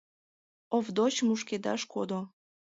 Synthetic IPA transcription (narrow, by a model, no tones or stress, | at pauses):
ovd̪ot͡ɕmuʃked̪ɑ̰ʃkod̪o